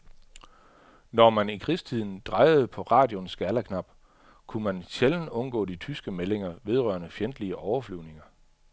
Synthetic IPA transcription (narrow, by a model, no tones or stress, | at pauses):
nɒmænikʰʁist͡sʰið̰ˠn̩d̥ʁɑ̈ɪð̞̩ˠpʰɒ̽ʁɑ̈ːd̥jonsɡ̥æɐlækʰnɑ̈b̥ | kʰumænɕeln̩ɔ̽nɡ̥ɔ̰ːdit͡sʰysɡ̥əmele̝ŋɐʋe̝ð̞ˠʁɶ̰ɐnəfjend̥liəʔɒʊɐflyʊ̰ne̝ŋɐ